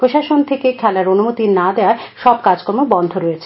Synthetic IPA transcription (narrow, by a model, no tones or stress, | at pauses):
pɾoʃaʃont̪ʰekekʰɛlaɾonumot̪inad̪eaɾʃɔb̚kad͡ʑkɔɾmobɔnd̪ʱoɾojet͡ɕʰe